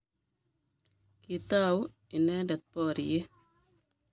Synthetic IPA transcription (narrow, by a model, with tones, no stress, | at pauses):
ki˨t̪aw | i˨nɛ˦dɛ˨t̪̚pɔɾije˦